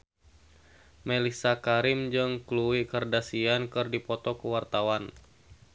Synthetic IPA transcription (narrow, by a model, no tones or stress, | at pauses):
melisakaɾɪmd͡ʒɨŋkluwikərdasiankɨrdipɔt̪ɔkəwart̪awan